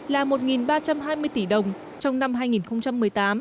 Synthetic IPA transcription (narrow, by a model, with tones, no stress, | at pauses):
laː˨˩mo˨˩t̚ŋi˨˩nɓaː˧t͡ɕa˧mɦaː˧jmɨ˧əjt̪i˧˩ɗə˨˩wŋ͡m | t͡ɕɔ˧wŋ͡mna˧mɦaː˧jŋi˨˩nxə˧wŋ͡mt͡ɕa˧mːɨ˨˩əjt̪aː˨˦m